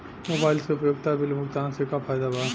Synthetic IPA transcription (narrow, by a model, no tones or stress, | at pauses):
moːbaːɪlseʊpjoːɡt̪ʰabɪlmʊɡd̪aːnsekafʰaːjd̪abaː